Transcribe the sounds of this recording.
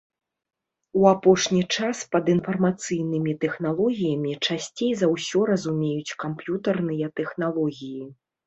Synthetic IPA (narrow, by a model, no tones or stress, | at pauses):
uapɔʂnʲit͡ʂaspɐd̪ɨnfɐrmat̪sɨjnɨmʲit̪ɛxnalˠɔɣʲijɐmʲit͡ʂasʲt͡sʲejzɐwsʲɔɾɐzumʲejut͡sʲkampjut̪ɐrnɨjɐt̪ɛxnalˠɔɣʲiji